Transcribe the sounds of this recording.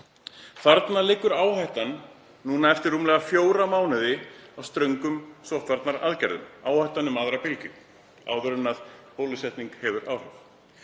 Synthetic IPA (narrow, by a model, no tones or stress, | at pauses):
θaɾt̪nalɪkːʏɾaːwhajht̪anː | uːnaɛft̪ɪɾːuːmlɛɣafjoːwɾamaːwnɪðɪawst̪ɾœŋkʏmsɔht̪vaɾt̪naɾa̰ðcɛɾðʏ̰maːwhajht̪anːʏmaðɾapɪlcʏ | a̰ːwðʏɾʏnːaðpoːwlɪsjɛht̪niŋkhɛvʏɾʔaːwhʏv